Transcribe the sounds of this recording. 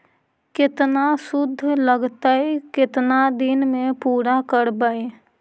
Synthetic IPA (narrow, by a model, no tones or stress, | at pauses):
kɪt̪nasʊd̪ʱːləɡt̪aekɪt̪nad̪ɪnmẽpuːɾakəɾbəe